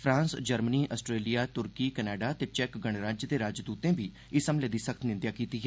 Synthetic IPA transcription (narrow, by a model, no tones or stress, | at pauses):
pʰɾãːnsd͡ʒəɾməniːʔəsʈɾeːlijaːt̪ʊɾkiːkɛnɛːɖaːt̪eːt͡ʃɛːkɡəɳ̃ɾaːd͡ʒjd̪eːɾaːd͡ʒd̪uːt̪ẽːbiː | ɪsəmleːd̪iːsəkʰt̪nɪ̃nd̪jaːkiːt̪iːɦɛː